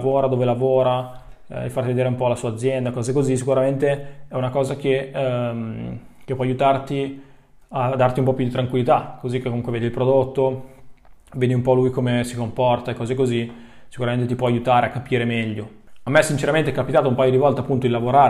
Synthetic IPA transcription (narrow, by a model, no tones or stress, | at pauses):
voːɾad̪oːvelavoːɾa̰ | ḛfart̪ived̪eːɾeumpɔlasuaːd̪zːjɛnd̪akɔːzekozis̬ikuɾament̪eɛunakɔːzak̟emkepːwɔajut̪art̪i | ad̪ːart̪iumpɔpjud̪it̪ɾaŋkwilːit̪akozik̟ːekːomuŋkweveːd̪ilpɾod̪ot̪ːo | veːd̪iumpɔlujkomesikompɔrt̪aekːɔːzekozi | si̥kuɾament̪̬et̪ipwɔajut̪aːɾeakːapiːɾemɛʎːo | amːeɛsːint͡ʃeɾament̪eɛkːapit̪aːt̪aumpajod̪ivɔlt̪eapːunt̪oilavoɾaːɾ